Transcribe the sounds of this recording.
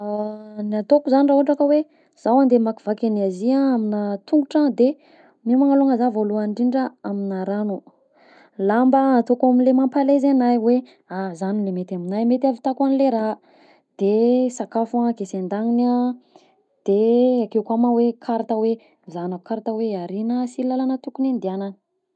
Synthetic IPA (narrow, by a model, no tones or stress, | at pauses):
anat̪okuzanirauʈ͡ʂakəwe | z̥awand̪emakivakʲaniaziaaminət̪uŋɡuʈ͡ʂad̪e | mimaŋaluaŋəzavoluaɳɖ͡ʐiɳɖ͡ʐəaminaɾanu | lambəat̪okaminlemampalezanajwe | azanilemet̪aminajmet̪avit̪akanileɾa | d̪̥esakafakesend̪aŋina | d̪̥eakewkuamawekʰaɾat̪awe | zanaukaɾat̪aweaɾinəsilalanət̪ukunend̪ianən